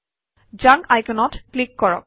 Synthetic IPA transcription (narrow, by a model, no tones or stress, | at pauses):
d͡ʒãŋajkɛnɔtklikːɔɹɔ̰k̚